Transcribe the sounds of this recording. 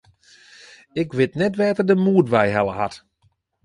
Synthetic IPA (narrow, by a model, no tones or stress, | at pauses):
ɪkʋɪtnɛtʋɛːtərdəmuətʋɛjɦɛlˠəɦa̰t